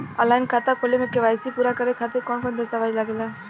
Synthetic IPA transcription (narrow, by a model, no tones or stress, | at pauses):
əlaːɪnkʰaːt̪akʰolemẽkeʋaːjsipuːɾakəɾekʰaːt̪ɪɾkɔːnkɔnd̪əst̪aʋaːd͡ʒilaɡela